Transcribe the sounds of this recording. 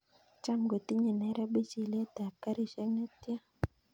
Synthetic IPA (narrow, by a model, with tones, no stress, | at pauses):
t͡ʃa˦mɡo˨t̪i˦ɲe˨nɛ˨˦ɾɛ˦be˦t͡ʃi˨le˦ta˨ka˦ɾi˦ʃɛ˦ŋnɛ˦t̪ja˦